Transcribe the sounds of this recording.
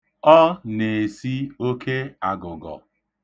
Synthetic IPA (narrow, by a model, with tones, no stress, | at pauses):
ɔ˦ne˨si˦o˦ke˦a˨ɡʊ˨ɡɔ̰˨